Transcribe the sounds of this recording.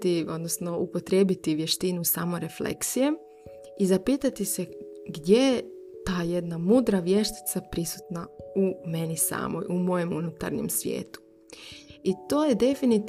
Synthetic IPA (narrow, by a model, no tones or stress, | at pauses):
io̞d̪nosno̞ʔupo̞t̪ɾeːbit̪iʋje̞ʃt̪inusaːmoɾeflḛksije̞ | izapiːt̪at̪iseɡd̪je̞je | t̪aːje̞d̪namuːd̪ɾaʋje̞ʃt̪i̥t̪sapɾisu̥t̪naume̞nisa̰ːmo̰jʔumo̞je̞munut̪a̰ɾnḭmsʋjḛːt̪u̥ | it̪o̞ːjed̪e̞finit̪